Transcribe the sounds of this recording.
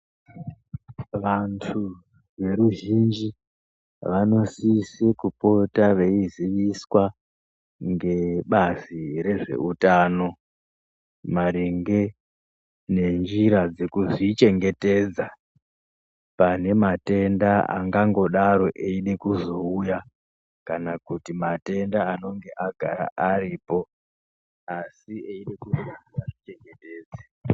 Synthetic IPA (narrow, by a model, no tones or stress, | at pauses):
ʋantʰu | ʋe̞ɾuʒind͡ʒi | ʋano̞sisekupo̞taʋe̞iziʋiswa | ŋɡe̞ɓaziɾe̞ʐe̞̰utaːno̞ | maɾiŋɡe̞ | ne̞nd͡ʒiɾad͡zekuʐit͡ʃe̞ŋɡe̞te̞ːd͡za | pane̞mate̞ndaa̰ŋɡaŋɡo̞ɗaɾo̞ʔeiɗekuzo̞uja | kanakutimate̞ndaano̞ŋɡe̞ʔaɡʱaɾa̰ʔariːpo̞ | asieiɗekuzojaaʐit͡ʃe̞ŋɡe̞teːd͡ze